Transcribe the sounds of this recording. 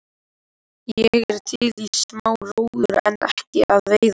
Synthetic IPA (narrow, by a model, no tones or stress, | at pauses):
jɛɣɛɾ̥t̪ʰɪlismaːwroːwðʏɾɛ̰nːɛhcɪʔaðvejða